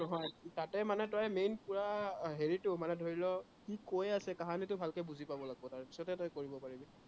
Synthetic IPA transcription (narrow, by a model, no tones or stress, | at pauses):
nɔɦɔjtatɛmanɛtɔjmenpuɹaɦeɹitʊmanɛdʱoɹilɔ | kikojasɛkaɦanitʊbʱalkebuzipabɔlaɡbɔtaɹpi̥sɔtɛtɔjkoɹibɔpaɹibi